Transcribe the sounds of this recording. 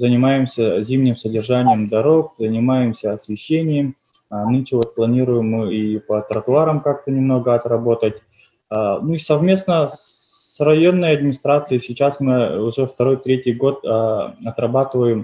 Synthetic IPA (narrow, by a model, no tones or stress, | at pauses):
zənʲɪmajɪmsʲəzʲimnʲɪmsədʲɪrʐanʲɪjəmd̪ɐɾo̞k̚zənʲɪmajɪmsʲəɐsvʲɪɕːenʲɪjəm | nɨnʲt͡ʃɪvot̪̚plˠɐnʲiɾʊjɪmːɨipət̪ɾət̪ʊaɾəmkak̚t̪ənʲɪmno̞ɡəɐt̪rɐbo̞t̪ətʲ | nuisɐvmʲe̞snəsrɐjo̞nːəjɐd̪mʲɪnʲɪst̪ɾat̪sɨɪsʲɪt͡ɕasmɨʊʐɛft̪ɐɾo̞jt̪ɾʲetʲɪjɡo̞t̪ːɐt̪rɐbat̪ɨvəjɪm